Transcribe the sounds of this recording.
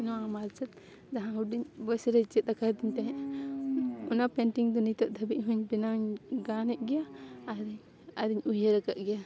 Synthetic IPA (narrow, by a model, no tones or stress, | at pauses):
inɔwamaɾt͡ʃɛt̪̚ | d͡ʒaɦãuɖiɲbɔsɾɛt͡ʃɛt̪̚akad̪iɲt̪aɦɛ̃ʔ | unapɛɳʈiŋd̪ɔnit̪ɔʔ̚d̪ʱabiʔɦũɲbinauɲɡanɛʔ̚ɡɛjaːɾiɲ | aɾiɲujeɾakaʔɡɛja